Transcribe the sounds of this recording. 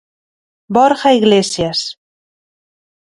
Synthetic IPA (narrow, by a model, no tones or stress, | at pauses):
bɔɾxaiɣlesjas